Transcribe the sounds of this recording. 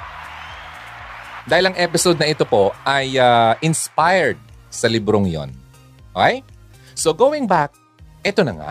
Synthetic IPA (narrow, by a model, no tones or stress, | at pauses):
d̪aːhɪlɐŋʔɛpɪsod̪̚nɐʔɪt̪o̞po̞ʔɐjɐʔɪnspajɛɹd̪̚sɐlɪbɾoŋjo̰n | okej | soɡowɪ̃ŋbak̚ | ʔɛt̪o̞nɐŋa̰ʔ